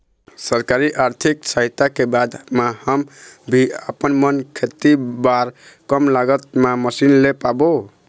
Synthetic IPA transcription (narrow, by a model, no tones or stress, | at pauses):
səɾkaɾiʔaɾt̪ʰiksəɦit̪akebad̪ʱmahəmbʱiəpənmənkʰet̪ibaɾkəmlaɡət̪̚maməsinlepabo